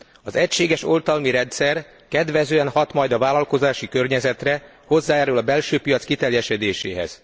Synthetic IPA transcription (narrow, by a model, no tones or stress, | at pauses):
ɒzɛcʃeːɡɛʃo̞lt̪ɒlmiɾɛnt̪sɛr | kɛd̪ʋɛzøːɛnhɒt̪mɒjd̪ɒvaːlɒlko̞zaːʃikø̞rɲɛzɛt̪rɛ | ho̞zːaːɛːɾylɒbɛlʃøːpijɒt̪skit̪ɛrjɛʃɛd̪eːʃḛːɦɛ̰z̥